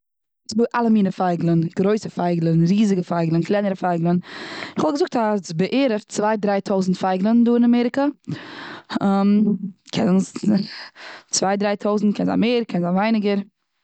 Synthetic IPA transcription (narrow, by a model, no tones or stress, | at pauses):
sbuʔalˠəmiːnəfaɪɡlˠənɡ̥ɾoɪsəfaɪɡlˠənɾiːzɪɡəfaɪɡlˠənklˠaɪnəɾəfaɪɡlˠənɪχhɔlˠɡəzʊk̚tasbəʔeːɾəft͡svaɪdɾaɪtʰoʊzn̩tfaɪɡlˠənduːɪnamɛɾɪka | amkʰɛnʊns | t͡svaɪdɾaɪtʰoʊzn̩tkʰɛnza̰meːɾkʰɛnzanvaɪnɪɡəɾ